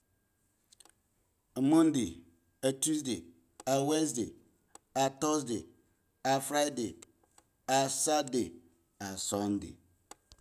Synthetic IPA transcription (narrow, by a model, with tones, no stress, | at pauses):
mɔ̃˦nde˨ | a˨tu˦sde˨ | a˨wɛ˦nsde˨ | a˨tɔ˦sde˨ | a˨fɾa˦de˨ | a˨sa˦de˨ | a˨sɔ̃˦n˦dḛ˨